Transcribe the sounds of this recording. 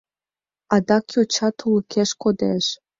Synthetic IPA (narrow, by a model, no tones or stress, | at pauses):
ɑd̪ɑkjot͡ɕɑt̪ʰulə̆kʰeʃkod̪eʃ